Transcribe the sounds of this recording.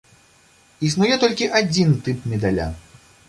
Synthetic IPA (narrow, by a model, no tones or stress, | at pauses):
isnujɛt̪ɔlʲkʲiʔad͡zʲint̪ɨpmʲɛd̪alʲa̰